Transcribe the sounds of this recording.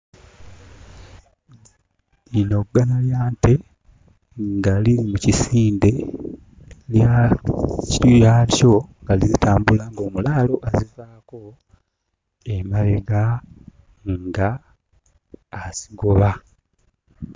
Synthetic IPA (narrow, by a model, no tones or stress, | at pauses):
ino̞ɡːanaljaːnte̞ | ŋɡaliɾimucisiːnde̞ | lja | jato̞ŋɡalizitaːmbulaŋɡo̞ːmulaːlo̞ʔezivaːko̞ | emaleɡa | ŋɡa | siɡoβa